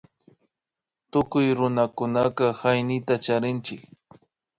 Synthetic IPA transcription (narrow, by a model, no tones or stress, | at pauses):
t̪ʊkʊjɾʊnakʊnakaxajnɪt̪at͡ʃaɾɪnt͡ʃɪk